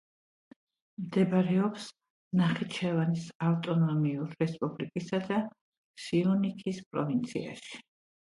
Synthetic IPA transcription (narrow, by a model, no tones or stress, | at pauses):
md̪ɛbɾɛɔps | naχit͡ʃʰɛvanisaft̪ʼɔnɔmiuɾɾɛspʼublikʼisad̪a | siɔnikʰispʼɾɔvint̪sʰḭa̰ʃi̥